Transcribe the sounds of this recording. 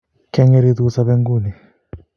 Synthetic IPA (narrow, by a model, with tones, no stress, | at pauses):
kɛ˦ŋɛ˦ɾi˦ðusa˦βɛ˦ŋɡu˦˨ni˨